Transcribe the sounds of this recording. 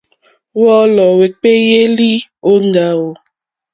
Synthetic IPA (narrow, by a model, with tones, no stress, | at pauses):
wɔ˦lɔ˨we˨k͡pe˦je˦li˦o˦ŋ˦da˦wo˨